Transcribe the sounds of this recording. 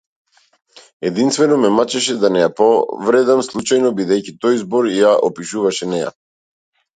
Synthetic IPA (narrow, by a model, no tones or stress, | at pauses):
ɛd̪inst̪vɛnɔmɛmat͡ʃɛʃɛd̪anɛjapɔvɾɛd̪amslˠut͡ʃajnɔbid̪ɛjcit̪ɔjzbɔɾjaʔɔpiʃuvaʃɛnɛja̰